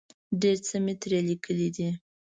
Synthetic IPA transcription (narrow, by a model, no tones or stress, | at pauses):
ɖeɾt͡səmet̪ɾelikʰəlid̪i